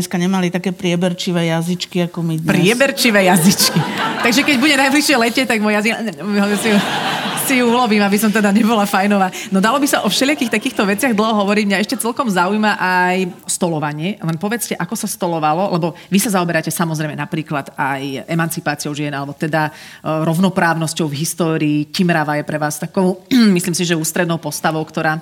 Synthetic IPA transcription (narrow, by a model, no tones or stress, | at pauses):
ɛskaɲɛmalit̪akɛːpɾɪɛbɛɾt͡ʃiʋɛːjazit͡ʃkiakɔmipɾɪɪɛbɛɾt͡ʃiʋɛːjazit͡ʃkit̪aɡʒɛkɛɟbuɟɛnajbliʃɪɛlɛcɪɛt̪aɡmɔjazikɦɔsijusijuulɔʋiːmabisɔmt̪ɛd̪aɲɛbɔlafajnɔʋaːnɔd̪alɔbisaʔɔfʃɛlɪakiːxt̪akiːxt̪ɔʋɛt͡sɪaɣd̪l̩ˠɦɔɦɔʋɔɾiɟmɲaɛʃcɛt͡sɛlkɔmzaujmaʔajst̪ɔlɔʋaɲɪɛlɛnpɔʋɛt͡scɛʔakɔsast̪ɔlɔʋalɔlɛbɔʋisazaɔbɛɾacɛsamɔzɾɛjmɛnapɾiːklad̪ajɛmant͡sipaːt͡siɔʊʒiɛnalɛbɔt̪ɛd̪aɾɔʊnɔpɾaːʊnɔscɔʊvɦist̪ɔːɾiːcimɾaʋajɛpɾɛʋaːst̪akɔʊmisliːmsiʒɛuːst̪ɾɛd̪nɔʊpɔst̪aʋɔʊkt̪ɔɾaː